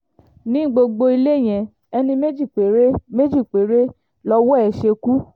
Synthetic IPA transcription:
nĩ˨˦ɡ͡bo˧ɡ͡bo˧i˧le˦˨j̃ɛ̃˨ | ɛ˧nĩ˧me˦d͡ʒi˦˨k͡pe˨ɾe˦me˦d͡ʒi˦˨k͡pe˨˦ɾe˦ | lɔ˧wɔ˦ɛ˨ʃe˧ku˦

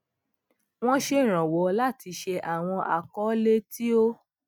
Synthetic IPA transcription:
w̃ɔ̃˦ʃe˦˨ɾ̃ã˨wɔ˨˦la˦˨ti˧ʃe˧ʔa˨w̃ɔ̃˧ʔa̰˨kɔ˨˦le˦tʰi˦o˦

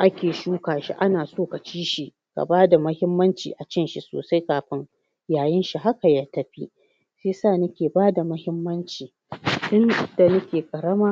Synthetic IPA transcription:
ʔa˦kʲeː˨ʃuː˦kaː˨ʃḭ˦ʔa˦naː˨soː˦ka˨t͡ʃiː˦ʃi˨ | ka̰˨baː˦da˨mɐ˦hɪ˦mːɐ˦nt͡ʃḭː˨ʔa˨t͡ʃɪ˦nʃi˦so̰ː˨sa˦jkaː˨ɸɪ˦ŋ | jaː˨jɪ˦nʃi˦ɦa˦ka˨jaː˦tɐ˦ɸi˦ | ʃeː˦saː˦˨nɐ˦kʲeː˨baː˦da˨mɐ˦hɪ˦mːɐ˦nt͡ʃiː˨ | dʊ˦nda˨nɐ˦kʲeː˨kʼɐ˨ɽɐ˦maː˦

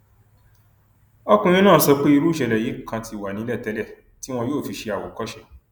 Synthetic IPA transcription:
ɔ˦kũ˧j̃ĩ˦nãː˦˨˦sɔ˧k͡pe˦i˧ɾu˦˨ʃɛ˨˧lɛ˨je˨˦˨kʰã˧ti˧˨wa˨nĩ˨˦lɛ˦˨tɛ˦lɛ˦˨ | ti˦w̃ɔ̃˧joː˦˨fi˧ʃe˧a˨wo˨kɔ˦ʃɛ˧˨

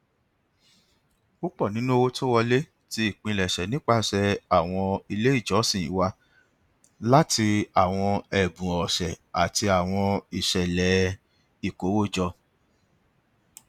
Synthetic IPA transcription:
u˦k͡pɔ˦˨nĩ˨˦nũ˦o˧wo˦tʰo˦wɔ˧le˦ | ti˧i˦˨k͡pĩ˧lɛ˨ʃɛ˨nĩ˨˦k͡pa˦ʃɛ˧a˨w̃ɔ̃˧i˧le˦i˦˨d͡ʒɔ˨˦sĩ˦˨ḭ̃˨˦wa˧ | la˦ti˧a˦˨w̃ɔ̃˧ɛ˨bũ˨ɔ˨ʃɛ˨a˨ti˧a˨w̃ɔ̃˧i˨ʃɛ˨lɛ˨˦ | i˨ko˨˦wo˦˨d͡ʒɔ˧

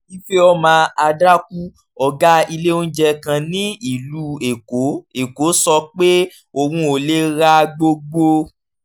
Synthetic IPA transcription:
i˦fe˦ɔ˧˦mãː˨˧a˧dɾa˦ku˦ | ɔ˨ɡa˦i˧le˦o˦n̩˦d͡ʒɛ˧kã˧nĩ˦i˨lu˦e˨ko˨˦e˨ko˨˦sɔ˧k͡pe˦ | o˧wũ˧o˨le˦ɾa˦ɡ͡bo˧ɡ͡bo˧

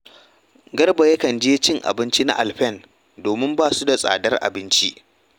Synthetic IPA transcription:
ɡɐ˦rba˨jɐ˦kɐ˨nd͡ʒeː˦t͡ʃɪ˦ŋʔa̰˨bɪ˦nt͡ʃi˦na̰˦ʔa˨lɸɛ˦˨n | doː˨mɪ˦mbaː˦˨su˦da˨sʼa̰ː˨dɐ˦rʔa̰˨bɪ˦nt͡ʃi˦ʔ

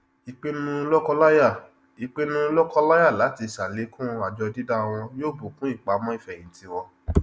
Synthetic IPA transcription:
i˧k͡pe˦nũ˦lɔ˦kɔ˧la˦ja˦˨ | i˧k͡pe˦nũ˦lɔ˦kɔ˧la˦ja˦˨la˨˦ti˧˨sa˨le˨˦kũ˦a˨d͡ʒɔ˧di˦da˦˧w̃ɔ̃˧joː˦˨bo˨kũ˦i˦˨k͡pa˨˦˧mɔ̃˦i˦˨fɛ̃˨ĩ˨˦ti˧wɔ˧

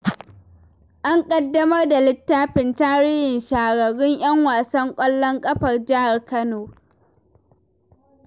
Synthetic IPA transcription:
ʔa˦ŋkʼɐ˦dːɐ˦mɐ˦rda˨lɪ˦tːaː˦ɸɪ˨ntaː˦ɽɪ˦hɪ˨nʃaː˨ɡɐ˨ɽɪ˦ɲj̰ɐ˦ŋwaː˨sɐ˦ŋkʷʼɐ˦lːɔ˦ŋkʼɐ˦ɸɐ˨rd͡ʒɪ˦ha˨rkɐ˦noː˨

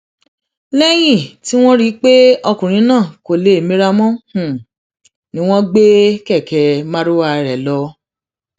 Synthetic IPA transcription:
lɛ˦j̃ĩ˦˨ti˦w̃ɔ̃˦ɾi˦k͡pe˦ɔ˧kũ˨ɾ̃ĩ˨˦nãː˦˨ko˨le˨e˨mĩ˦ɾa˧mɔ̃˦hũ˨ | nĩ˦w̃ɔ̃˦ɡ͡be˦kɛ˦˨kɛ˨mã˦ɾo˦wa˧˨˧ɾɛ˨lɔ˧˦

